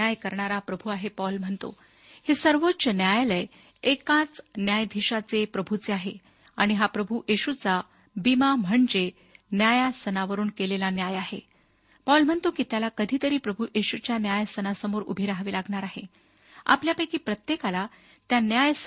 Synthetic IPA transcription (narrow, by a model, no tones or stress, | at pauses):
ajkəɾɳaɾapɾəbʱuaɦepɔlm̤əɳt̪o̰ | hesəɾʋotːɕənjajləj | ekãt͡snjajd̪ʱiɕat͡sepɾəbʱut͡seaɦe | aɽ̃iɦapɾəbʱujeɕut͡sa | bimam̤əɳd͡ʑe | njajasənaʋəɾuːnkelelanjajaɦḛ | pɔlm̤əɳt̪okiːt̪jalakəd̪ʱiːt̪əɾiːpɾəbʱuʔeɕut͡ɕjanjajsənasəmoɾṵbʱiɾaɦʋiːlaɡɳaɾaɦḛ | a̰pljapəjkiːpɾət̪jekala | t̪janjajs